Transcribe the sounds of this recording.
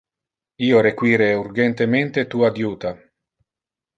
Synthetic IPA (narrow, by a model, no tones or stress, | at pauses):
iːoɾekwiːɾeuɾɡent̪ement̪et̪uːad̪juːt̪a